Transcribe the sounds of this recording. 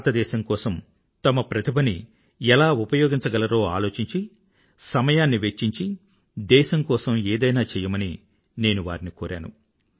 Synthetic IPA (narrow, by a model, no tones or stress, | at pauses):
t̪ɐd̪ɛːʃɐŋkɔːsɐm | t̪ɐmɐpɾɐt̪ʰibɐni | ɛlaːupɐjoːɡiɲt͡ʃɐɡɐlɐɾoːa̰ːlo̞ːt͡ʃiɲt͡ʃi | sɐmɐjaːnːiʋet͡ʃːiɲt͡ʃi | d̪ɛːʃɐmkɔːsɐmeːd̪ɐjnaːt͡ʃɛːjɐmɐni | ne̞ːnuʋa̰ːɾinikoːɾʔa̰ːnṵ